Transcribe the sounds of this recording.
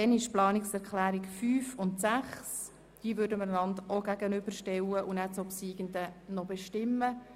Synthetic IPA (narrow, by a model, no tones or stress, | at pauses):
dɛnɪʃplɑːnɪksɛɾkʰlæːɾikfyːfʊntsæχs | d̥iːəvʏɾdəmənlɑnd̪oɡæɡənʏb̥əɾʃtɛwəʔunæt͡sopsiːɡənd̪ənɔbɛʃtɪmːə